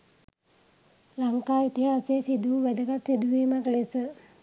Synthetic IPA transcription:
laŋkaːjit̪ijəːseesid̪uʋæd̪əkat̪sid̪uʋeːmaklesə

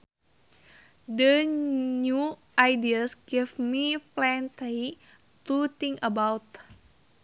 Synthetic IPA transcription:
dəɲuʔajdiasɡifmiplɛnt̪i | t̪ut̪iŋəbawt̪

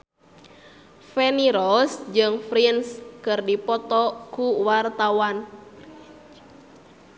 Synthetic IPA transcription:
fɛniɾɔsd͡ʒɨŋfɾinskɨrdipɔt̪ɔkuwart̪awan

